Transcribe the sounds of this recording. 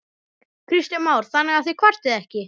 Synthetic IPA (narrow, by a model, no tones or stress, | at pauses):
kʰɾist̪ɪmaːwɾ̥θanːɛɣaθekʰvar̥t̪ɪðɛhcɪ